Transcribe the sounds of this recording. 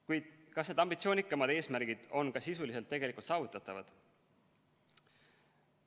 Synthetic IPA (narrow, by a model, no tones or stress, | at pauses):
kujd̪̥kɑsne̞d̪ɑmbit̪sio̞ːnikːˑɑmɑd̪e̞ːsmæɾɡ̥id̪̥o̞nkɑsisulise̞lt̪ːe̞ɡ̥e̞likult̪sɑːvut̪ːˑɑt̪ːˑɑvɑ̰d̪̥